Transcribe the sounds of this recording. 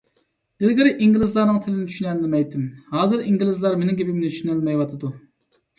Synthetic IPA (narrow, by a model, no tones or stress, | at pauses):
d̪̥ɪlɡʲɪɾɪʔiŋɡʲilɪzlˠɑɾnɨŋt̪ʰɪlɪnɪt̪ʰy̥ʃynɛllmɛjt̪ʰːɪmhɑːzɨɾiŋɡʲilɪzlˠɑɾmenɪŋkʲʰepɪmnɪt̪ʰy̥ʃynælmɛjwɑt̪ʰɨd̪u